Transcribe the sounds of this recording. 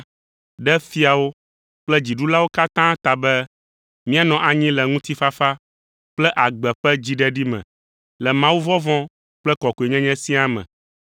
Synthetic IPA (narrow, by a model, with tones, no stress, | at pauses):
ɖɛ˦fi˦a˨wo˦ | k͡plɛ˦d͡ʑi˨ɖu˦la˦wo˦ka˦t̪ã˦t̪a˨bɛ˦ | mĩ˦a˨nɔ̃˨ʔa˨ɲĩ˦lɛ˨ŋũ˦t̪i˦fa˦fa˦ | k͡plɛ˦ʔa˨ɡ͡bɛ˨ɸɛ˦d͡ʑi˦ɖɛ˦ɖi˦mɛ̰̃˨ | lɛ˨mã˦wu˦vɔ̃˦vɔ̃˦ | k͡plɛ˦kɔ˨ko˨e˨ɲɛ̃˦ɲɛ̃˦sĩ˦a˦mɛ̰̃˨